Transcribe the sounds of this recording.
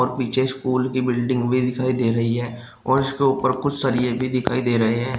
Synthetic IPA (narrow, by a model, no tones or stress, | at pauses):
ɔːɾpiːt͡ʃʰeskuːlkibɪlɖɪ̃ŋɡbʱid̪ɪkʰaːid̪eːɾɐɦiɦɛ̃ː | ɔːɾɪskeʊpəɾkʊt͡ʃʰsaɾiebʱid̪ɪkʰaːid̪eːɾɐɦeɦɛ̃ː